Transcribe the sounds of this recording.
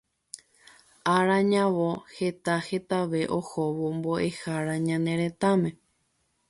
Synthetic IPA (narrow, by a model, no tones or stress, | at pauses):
aɾãɲãʋo̞he̞t̪ahe̞t̪aʋe̞ʔohoʋombo̞ʔe̞haɾaɲãnẽ̞ɾe̞t̪amẽ̞